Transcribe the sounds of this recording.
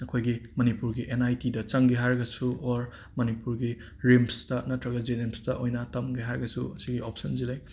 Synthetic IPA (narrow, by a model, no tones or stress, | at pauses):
ɐkʰojɡimɐnipuɾɡiʔenajtidɐt͡ʃɐŋɡiɦaɾɡɐsuoɾ | mɐnipuɾɡi | ɾemstɐnɐtɾɐɡɐzenemstɐʔojnɐtɐmɡiɦaɾɡɐsuɐsiɡiopsɐnzilaj